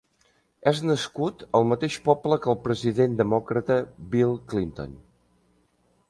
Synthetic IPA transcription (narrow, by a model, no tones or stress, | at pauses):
ɛznəskut̪əlˠmət̪eʃpɔpləkəlˠpɾəziðend̪əmɔkɾət̪əbilˠklint̪o̰n